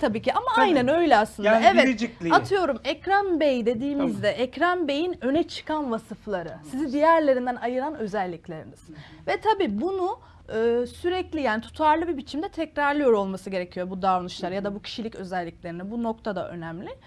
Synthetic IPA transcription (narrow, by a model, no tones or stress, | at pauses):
t̪ʰabiːciamaajnænø̞jlʲɛaslˠɯnd̪aɛvɛd͡ʒilʲiat̪ʰɯjo̞ɾumɛcɾanbejd̪e̞d̪iːmizd̪ɛʔɛcɾanbe̞jinø̞nɛt͡ʃʰɯ̥kanvasɯflˠaɾɯsizid̪ijæɾlʲe̞ɾind̪ænajɯɾanø̞zælʲːiclʲe̞ɾḭniz̥vɛt̪ʰabiːbunu | ɯːsyɾɛclʲijaːnit̪ʰu̥t̪ʰaɾlˠɯbibit͡ʃʰimd̪ɛt̪ʰɛcɾaɾlˠɯjo̞ɾo̞lˠmasɯɟe̞ɾecʰijo̞bud̪aɾnɯʃlˠaɾɯjad̪abucʰi̥ʃilʲicø̞zælʲːiclʲe̞ɾinɛbuno̞k̚t̪ʰad̪a̰ʔø̞̰næmlʲɪ